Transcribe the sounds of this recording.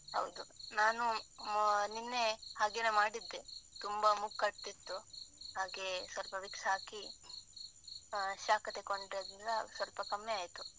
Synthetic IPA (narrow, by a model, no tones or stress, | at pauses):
hɐ̰wd̪unaːnu | ninːe̞haːɡenemaːɽid̪ːet̪umbɐmukːɐʈ̚t̪it̪ːuɦaːɡe̞sʋɐlpɐʋiksɐɦaːki | ʃaːkɐt̪e̞koɳɖɾed̪ɾilːɐsʋɐlpɐkɐmːeaːjt̪u